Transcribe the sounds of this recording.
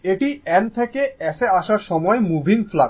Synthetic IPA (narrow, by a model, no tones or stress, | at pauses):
eʈiɛnt̪ʰekeɛʃeaʃaɾʃɔmɔemubʱiŋfla